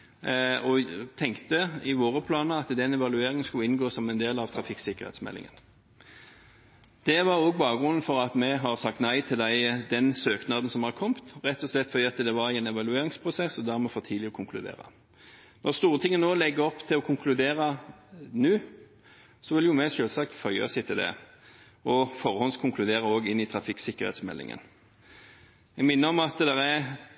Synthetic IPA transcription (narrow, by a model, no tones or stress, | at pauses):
ɔt̪ʰɛŋkt̪əɪʋoːɾəpʰlɑːnəɑt̪d̪ɛnɛʋɑlʉeːɾɪŋənskʉləɪnɡoːsɔmɛnd̪eːlɑʋt̪ʰɾɑfɪksɪkːəʁhɛ̰t̪smɛ̰lʔɪ̰ŋə̰n | d̪̥ɛʋɑɾoːɡbɑːɡɾʉnn̩fɔɾɑt̪mɛɦɑʁsɑk̚t̪næɪt̪ʰɪld̪æɪd̪ɛnsøːknɑːd̪n̩sɔmhɑɾkʰɔmt̪ʁɛt̪ːɔslɛt̪ːfɔɾd̪iːɑt̪d̪ɛʋɑɾiɛnɛʋɑlʉeːɾɪŋspʰʁʊsɛsːɔd̪æʁmɛfoːt̪ʰiːd̪lɪɔkʰʊŋkʰlʉd̪ḛːʁə̰ | nʔɔʁst̪uːʁət̪ʰɪŋːənoːlɛɡːəɾɔpːt̪ʰɪlɔkʰʊŋkʰlʉd̪eːɾɑnʉː | sɔʋɪljʊmɛʂøːlsɑk̚t̪fœʏɑ̰sæɪt̪ʰɪld̪ɛ̰ | ɔfɔʁhɔnskʰʊŋkʰlʉd̪eːɾəoːɡɪnːɪt̪ʰɾɑfɪksɪkːəɾhḛt̪smɛ̰lːɪ̰ŋə̰n | ɛɡmɪnːəɾɔmɑt̪d̪ɛɾæ